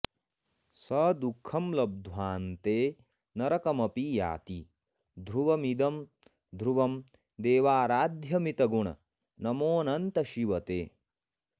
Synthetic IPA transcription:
sɐd̪ukʰɐmlɐb̚d̪ʱʋaːnt̪eː | nɐɾɐkɐmɐpija̰ːt̪i | d̪ʱɾuʋɐmid̪ɐm | d̪ʱɾuʋɐm | d̪eːʋaːɾaːd̪ʱjɐmit̪ɐɡuɳɐ̰ | nɐmoːnɐnt̪ɐʃiʋɐt̪eː

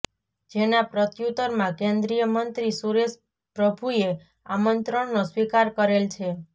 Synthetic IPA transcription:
d͡ʒenapɾət̪jut̪əɾmãkẽnd̪ɾijəmənt̪ɾisuɾes | pɾəbʱue | amənt̪ɾəɳnoswikaɾkəɾelt͡ʃʰe

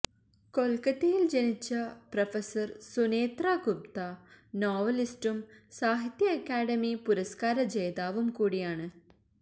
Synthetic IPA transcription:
kolkɐt̪ːijild͡ʑɐnit͡ɕːɐprɐfesɐrsuneːt̪raːɡup̚t̪anoːʋɐlisʈumsaːɦit̪jɐːkːaːɽɐmipuɾɐskaːɾɐd͡ʑejd̪aːʋumkuːɽijaːɳɨ

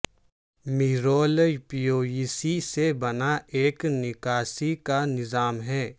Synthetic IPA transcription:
miɾoːlpioːisisebɐnaʔeːknɪkaːsikanɪzaːmɦɛː

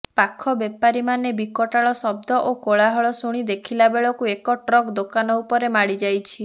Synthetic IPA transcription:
pakʰɔbepaɾimanebikɔʈaɭɔsɔb̚d̪ɔʔokoɭaɦɔɭɔsuɽ̃id̪ekʰilabeɭɔkuekɔʈɾɔkd̪okanɔupɔɾemaɽid͡ʒajt͡ʃʰi

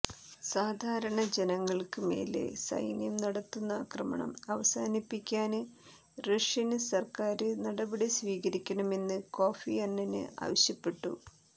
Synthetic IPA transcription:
saːd̪ʱaːɾɐɳɐd͡ʑe̞nɐŋːɐɭkɨme̞̰ːlḛsɐ̰jnjɐmnɐɽɐt̪ːunːɐaːkrɐmɐ̰ɳɐ̰mɐʋɐsaːnipːikʲːaːnɨ | reʂjɐnɨsɐrkaːɾɨnɐɽɐbɐɽisʋiːɣɐɾikʲːɐɳɐme̞nːɨko̞ːfiɐnːɐnɨ̰ʔa̰ːʋɐɕjɐpːe̞ʈːṵ

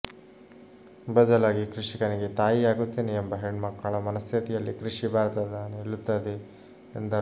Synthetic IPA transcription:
bɐd̪ɐlaːɡikɾiʂikɐniɡe̞t̪aːjiaːɡut̪ːiːneembɐɦeɳmɐkːaːɭɐmɐnɐst̪ʰit̪ijɐlːikɾiʂibʱaːɾt̪ɐd̪ɐneɭːut̪ːɐd̪e | end̪ɐ

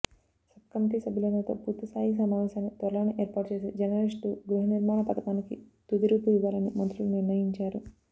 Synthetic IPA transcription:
sɐbkɐmt̪isɐbʱilɐnɐt̪o̰ːpuɾt̪ɐsaːɦis̬ɐmaːʋɛːʃaːnːit̪ʋɐɾlaːɐniʔeːɾpaːʈut͡ʃeːseːd͡ʒɐnɐɾiʂʈuɡɾuɦɐniɾmaːɳɐpɐt̪ɐkaːnikit̪ud̪iɾuːpuʋiʋaːlɐnimɐnt̪ɾuluniɾnɐjiɲt͡ʃaːɾu

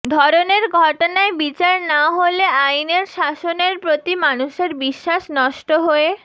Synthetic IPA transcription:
d̪ʱɔɾoneɾɡʱɔʈonaebit͡ɕaɾnaɦoleajneɾʃaʃoneɾpɾot̪imanuʃeɾbiʃːaʃnɔʃʈoɦoe

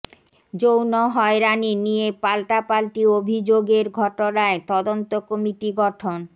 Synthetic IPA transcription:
d͡ʑownoɦɔeɾaninijepalʈapalʈiobʱid͡ʑoɡeɾɡʱɔʈonaet̪ɔd̪ont̪okomiʈiɡɔʈʰon

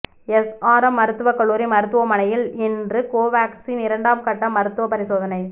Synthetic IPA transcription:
ɛsaːɾɐmːɐɾɯt̪ːɯʋɐkɐɭːuːɾimɐɾɯt̪ːɯʋɐmɐnɐjɪlɪndrɯkoːʋaːksiːnɪɾɐɳɖaːmkɐʈːɐmːɐɾɯt̪ːɯʋɐpɐɾɪsoːðɐnɐɪ

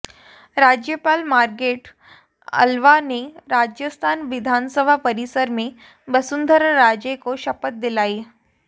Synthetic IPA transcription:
ɾad͡ʑjəpalmaɾkeʈ | ə̰lʋaneɾad͡ʑjəst̪ʰanʋid̪ʱansəbʱapəɾisəɾme | bəsund̪ʱəɾːad͡ʑekoɕəpət̪̚d̪ilae

